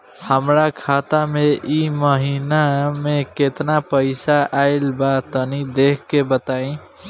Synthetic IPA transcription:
həmɾakʰat̪ameʔiməɦinameket̪napəɪsaʔaɪlbat̪ənid̪ekʰkːebət̪aĩ

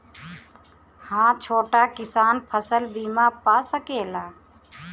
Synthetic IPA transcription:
hãːt͡ʃʰoːʈakɪsaːnpʰəsəlbiːmãpaːsəkeːlaː

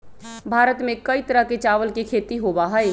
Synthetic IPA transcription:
bʱaːɾət̪mẽkɐit̪əɾəɦket͡ʃaːʋəlkikʰeːt̪iɦoːbaɦəe

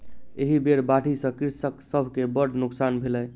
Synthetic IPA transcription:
eɦibeɾbaʈisə̃kiɾsəksəbʱkebəɖnuksanbʱelɛj

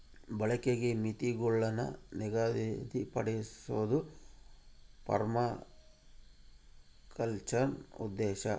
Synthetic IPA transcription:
bɐɭɐkeɡemit̪iɡɔɭːɐnːɐ̰niɡaːd̪id̪ipɐ̰ɽesuʋɐd̪u | pɐ̰ɾmɐ | kɐlt͡ʃɐɾnṵd̪ːɛːʃɐ

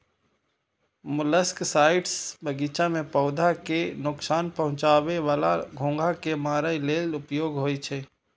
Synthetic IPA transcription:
mʊləsksaːɪʈsbəɡiːt͡ʃamẽpɔʊd̪ʱakenʊksaːnpəɦʊ̃t͡ʃaːʋeʋaːlaɡʱõːŋɡʱakemaːɾəileːlʊpjoːɡɦoːit͡ʃʰeː

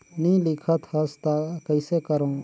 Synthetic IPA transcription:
nĩlikʰət̪həst̪akəjsekəɾõː

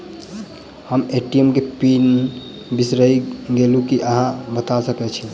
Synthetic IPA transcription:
həmeʈiemkepin | bisɾəiɡelukiʔəɦãbət̪asəkɛt͡ʃʰi

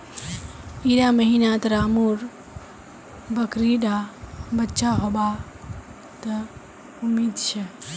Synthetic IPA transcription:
iɾaməɦinat̪ɾaːmuɾ | bəkɾiɖabətːʃaɦoba | t̪ə | umːid̪t͡ʃʰe

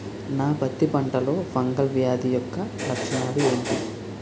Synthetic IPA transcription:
naːpɐt̪ːipɐɳʈɐlo̞ːfɐŋɡɐlʋjaːd̪ijɔkːɐɾɐkt͡ʃɐnaːlueːɳʈi

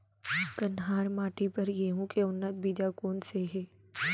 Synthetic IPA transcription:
k̪ənɦaːɾmaːʈipɐɾjeɦũkeʊnːət̪̚biːd͡ʒakoːnseɦɛː

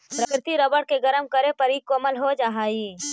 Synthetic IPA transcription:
pɾɐkɾɪt̪iɾɐbəɽkeɡɐɾəmkɐɾepɐɾikoɐməlɦod͡ʒaːɦaːiː

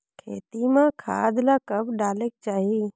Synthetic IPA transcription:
kʰḛːt̪imãkʰa̰ːd̪lakəbɖaːlek̚t͡ʃaːɦi

